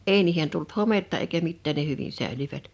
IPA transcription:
eˑi niːhen tult hometːɑ eikæ mitːæːn ne hyʋin sæˑe̝lyʋæt

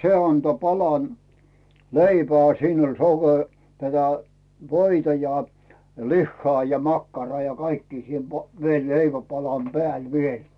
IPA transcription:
se ɑnto pɑlɑn leipæː siːn olʲ soke tætæ ʋoitɑ jɑ lihːɑː jɑ mɑkːɑrɑː jɑ kɑikːiː siːn po ʋie leiʋæpɑlɑm pĕæˑl ʋiel

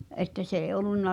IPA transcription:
ʔetːæ s eːĭ ʔolˑunːɑ

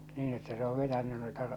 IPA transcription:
niːn etːæ se o ʋetænːy noitɑ

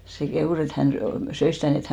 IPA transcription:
se kehuˑs et hæn sy søis sitæˑ niː et

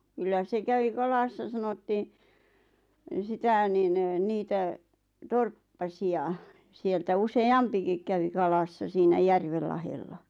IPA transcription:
kylːæ se kæʋi kɑlɑsːɑ sɑnotːiːn sitæˑ nin niːtæ torpːɑsiɑ sieltæ useɑmpikik kæʋi kɑlɑsːɑ siːnæ jærʋel lɑhelːɑ

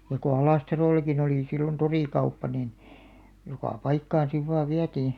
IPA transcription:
jɑ ko ɑlɑˑstɑroˑlˑɑkin oliˑ silːon toriˑkɑupːɑ nin jokɑ pɑikːɑːn siʋ ʋɑːʋ ʋiætiː

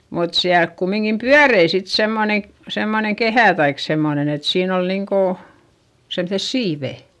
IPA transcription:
mut siælk kumːiŋkim pyærei sit semːone semːoneŋ kehæˑ tɑik semːonen et siːn ol niŋko semses siːʋeˑ

